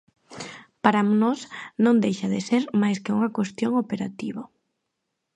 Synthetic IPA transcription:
paɾamnɔsnõnd̪ejʃaðɪseɾmajskeuŋakwest̪joŋopeɾat̪iβo

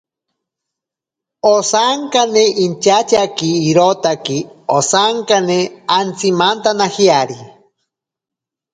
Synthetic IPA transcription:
osaŋkaneint͡ʃat͡ʃakiːɾot̪akiosaŋkaneant͡simant̪anahiaɾi

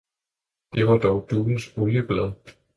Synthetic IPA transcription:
d̥e̝ʋɑ̈d̥ɒʊd̥uːln̩soljəb̥lɛðˠ

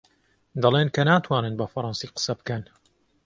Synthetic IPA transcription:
d̪ɐlˠeːnkʰɐnaːt̪ʰwaːnɨnbɐfɐɾˤɑnsiːqə̥sɐbɨkɐn

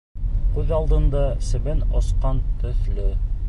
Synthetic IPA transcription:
qʉðɑlˠd̪ɤ̆nd̪ɑsɘ̆βɘnɒsqɑnt̪ɵ̆θlɵ

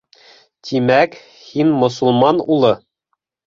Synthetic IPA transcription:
t̪imæk | hinmŏsŭlˠmɑnulˠɤ

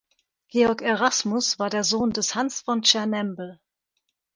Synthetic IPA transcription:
ɡ̥eːɔɐkeʁasmʊsv̥aːɐdeːɐzoːndɛshansfɔnt͡ʃɛɐnɛmbl̩

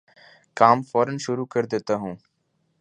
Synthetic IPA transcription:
kaːmfɔːɾənʃʊɾuːkəɾd̪eːt̪aːɦũː

